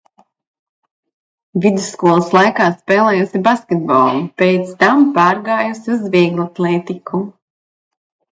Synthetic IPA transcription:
vid̪usːkuɔlˠaslˠajkaːspɛːlˠɛːjusibaskʲɛt̪̚bɔ̰lˠupet̪st̪ampɑːɾɡaːjusiuzvʲiɡlˠat̪lˠɛːt̪ikʰu

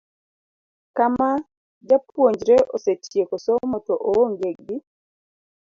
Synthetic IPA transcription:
kama | d͡ʒapwoɲd͡ʒɾeʔoset͡ʃjekosɔmɔtɔʔowoŋɡeɡ̚ɡi

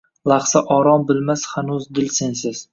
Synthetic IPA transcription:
lˠɑχsaʔɒɾɒmbɪlmashanuzd̪ɪlsensɪz̥

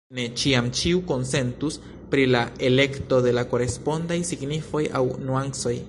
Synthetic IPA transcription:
ne̞t͡ʃiamt͡ʃiuko̞nse̞ntus | pɾilaele̞kto̞d̪e̞lako̞ɾe̞spo̞ndajsiɡnifo̞ja̰wnuanso̞j

